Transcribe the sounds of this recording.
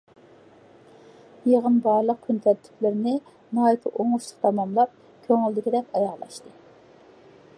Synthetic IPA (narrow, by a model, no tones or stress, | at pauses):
jeʁənbɑɾlˠəq̚kʰʲynt̪ʰɛt̪ʰːy̥plɪɾɪnɪ | nɑːjit̪ʰɨʔoŋuʃlˠə̥qt̪ʰɑmɑmlˠɑp̚ | kʲʰøŋyld̪ɪkʲid̪ɛkʲɑjɑʁlˠɑ̰ʃt̪ɨ